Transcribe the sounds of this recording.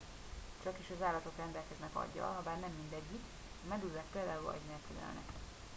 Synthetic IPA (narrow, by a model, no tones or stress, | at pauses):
t͡ʃɒkiʃɒzaːlɒt̪o̞krɛnd̪ɛlkɛznɛkɒ̰ɟːɒ̰lɦɒbaːrnɛmːind̪ɛɟːik | ɒmɛd̪ylːɛk̪̚peːld̪aːulɒ̰ɟnelkylɛ̰lnɛ̰k